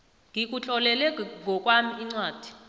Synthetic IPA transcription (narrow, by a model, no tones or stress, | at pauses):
ŋʱik̬ʼut͡ɬʼɔlɛlɛŋʱɔk̬ʼwamiiŋ͡ǀwaːd̥ʱi̥